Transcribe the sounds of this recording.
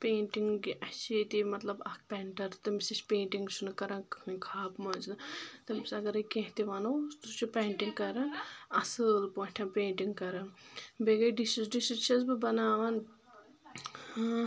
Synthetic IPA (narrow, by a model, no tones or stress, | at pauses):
peːɳʈiŋɡɡiʔɐt͡ʃʰit̪imɐt̪lɐbɐk̚pʲɛɳʈɐɾt̪ɐmisit͡ʃpeːɳʈiŋɡt͡ʃʰunɐkɐɾãːkʰaːpmɐznɨt̪ɐmisɐɡɐɾɐkẽɦt̪iʋɐnɐwst̪ut͡ʃupʲeːɳʈiŋɡkɐɾɐnɐsɨlpoːʈʲʰɐ̃peːɳʈiŋɡkɐɾɐnbeɡɐjɖiʃizɖisiʃɐzbɨbɐnaːʋɐn